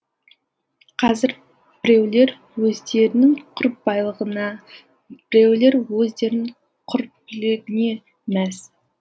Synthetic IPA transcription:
qʰɑzɪɾ | b̥ɪɾewle̞ɾ | wɵzd̪e̞ɾɪnɪŋqʰʊɾəp̚bɑjlˠəʁənɑ | b̥ɾewle̞ɾwɵzd̪e̞ɾnɪɴ | qʰʊɾpɪlɪɡʲɪne̞ | mæs

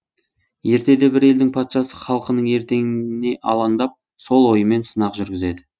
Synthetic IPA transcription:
je̞ɾt̪e̞d̪e̞bɪɾe̞ld̪ɪŋpʰɑt̪ʃɑsəχɑlˠqənəɴe̞ɾt̪e̞ŋɪne̞ʔɑ̰lˠɑnd̪ɑp̚ | so̞lˠwo̞jəme̞nsənɑqʒʏɾɡʲɪze̞d̪ɪ

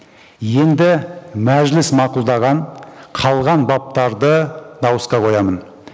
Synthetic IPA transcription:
je̞nd̪ɪmæʒlɪsmɑqulˠd̪ɑʁɑɴqʰɑlˠʁɑnbɑp̚t̪ɑɾd̪əd̪ɑwəsqɑqʰo̞jɑmən

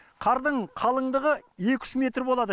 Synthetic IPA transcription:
qʰɑɾd̪əɴqʰɑlˠəɴd̪əʁəje̞kʲʰʏ̥ʃme̞t̪ɾbolˠɑd̪ə

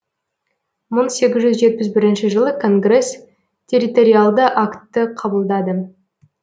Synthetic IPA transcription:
məɴse̞ɡʲɪzʒʏzʒe̞t̪̚pɪzbɪɾɪnʃɪʒəlˠəkʰo̞ŋɡre̞s | tʲʰe̞ɾit̪o̞ɾʲijalˠd̪əʔakt̪ːəqʰɑbəlˠd̪ɑd̪ə

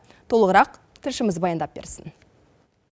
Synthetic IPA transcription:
t̪ʰo̞lˠəʁəɾɑq | t̪ʰɪlʃɪməzbɑjɑnd̪ɑp̚be̞̰ɾsɪn

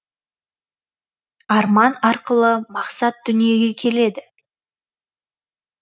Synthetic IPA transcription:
ɑɾmɑnɑɾqəlˠəmɑqsɑt̪̚d̪ʏnije̞ɡʲe̞kʲʰe̞le̞d̪ɪ

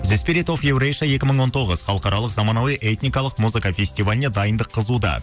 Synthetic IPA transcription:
zespʲiɾit̪o̞fjewɾejʃɑje̞kʲɪməɴwo̞nt̪ʰo̞ʁəzχɑlˠəqɑɾɑlˠəqzɑmɑnɑwijʔet̪nʲijkɑlˠəqmuzɨkafʲe̞sʲt̪ivalʲned̪ɑjənd̪əqʰːəzud̪ɑ̰

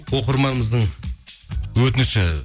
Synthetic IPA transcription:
wo̞qəɾmɑnməzd̪əɴ | wɵt̪ɪnʃɪ

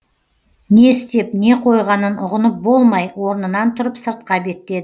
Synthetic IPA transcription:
ne̞ɪst̪e̞p̚ne̞qʰo̞jʁɑnənʊʁənəp̚bo̞lˠmɑjwo̞ɾnənɑnt̪ʰʊɾəpsəɾt̪̚qɑbe̞t̪e̞d̪ɪ

